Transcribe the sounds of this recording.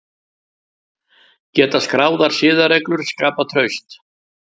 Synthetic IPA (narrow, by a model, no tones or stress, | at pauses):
cɛːt̪askɾaːwðaɾ̥sɪːðaɾɛklʏɾ̥skaːpat̪ʰɾœɥst̪